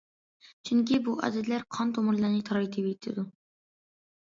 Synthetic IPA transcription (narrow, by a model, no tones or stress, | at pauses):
t͡ʃʰyŋkʲibuʔɑ̰d̪ɛt̪læɾqʰɑnt̪ʰomʊɾlˠɑɾnɨt̪ʰɑɾɑjt̪ʰebit̪ʰːɪd̪u